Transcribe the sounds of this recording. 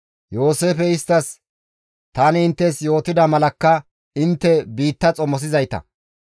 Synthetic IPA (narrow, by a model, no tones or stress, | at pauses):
jo̞ːse̞ːfɛɪst̪ːɐs | t̪ɐnɪɪnt̪ːɛsjo̞ːt̪ɪd̪ɐmɐlɐkːɐ | ɪnt̪ːɛbiːt̪ːɐt͡sʼɔmɔs̬ɪzɐjt̪ɐ̰